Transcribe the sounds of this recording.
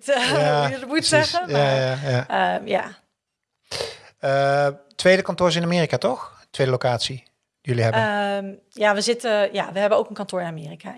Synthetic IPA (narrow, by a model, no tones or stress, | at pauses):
taədəmutsɛχəjaajaəja̰ː | ətʋejdəkɑntʊːɹs̬ɪnaːmɪːrikaːtɔx | tʋejdəlowkaːtsi | d̥ijɵliɦɛbəm | jaːʋəzɪtəja̰ːʋəɦɛbənowkənkɑntʊːɹɪnamɪːrika̰